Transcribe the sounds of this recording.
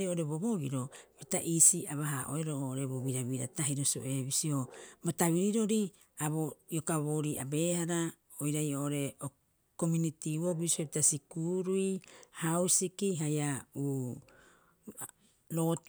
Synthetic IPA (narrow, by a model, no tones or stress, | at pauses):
ioʔoɾe̞βoβo̞ɡiɾo̞bitaʔisiaβaɦaʔo̰eɾoʔoʔːɾeβoβiɾaβiɾataɦiɾosio̰ʔe̞βisio̞botaβiɾiɾo̞ɾi | aβojokaβoɾiʔa̰be̞haɾa | ojɾajoʔoɾe̞o | ko̞munitiβobiseβitasikuɾuihawsikiɦajauː | ɾo